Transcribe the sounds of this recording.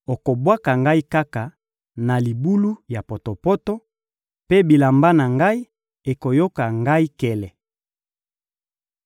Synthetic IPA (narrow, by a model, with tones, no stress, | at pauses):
o˨ko˨bwa˦ka˨ŋɡa˦i˦ka˦ka˨ | na˨li˨bu˦lu˦ja˨po˨to˨pɔ˦tɔ˦ | pe˦bi˨la˨mba˦na˨ŋɡa˦i˦ | e˨ko˨jo˦ka˨ŋɡa˦i˦kɛ˨lɛ˨